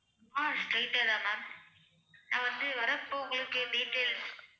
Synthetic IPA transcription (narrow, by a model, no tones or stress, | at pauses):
aːsʈɾɐɪʈːeðaːma | nãːʋɐnd̪ɯʋɐɾɐpːoːŋɡɐɭɯkːɯɖiːʈːeːl